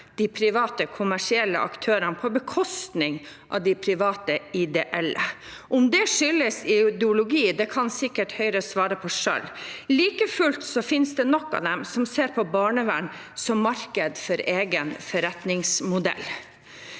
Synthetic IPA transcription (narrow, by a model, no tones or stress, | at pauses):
d̪̥ɪpʰɾɪʋɑːt̪əkʰʊmæʂɪɛlːə̰ʔɑ̰kt̪ʰøːɾənpʰɔbəkʰɔst̪nɪŋʔɑ̰ʋd̪ɪpʰɾɪʋɑːt̪əɪd̪ɛʔɛlːə̰ | ʔʊmd̪ɛʂʏlːəsɪɪd̪ɛʊlʊɡiːd̪ɛkʰɑnsɪkːəʈhœʏɾəsʋɑːɾəpʰɔʂœ̰lliːkəfʉlt̪sɔfɪnsd̪ɛnɔkːɑ̰d̪ɛmsɔmseːɾpʰɔbɑːɳəʋæɳ | sɔmːɑɾkəd̪fɔɾeːɡənfɔɾɛt̪nɪŋsmʊd̪ɛ̰lː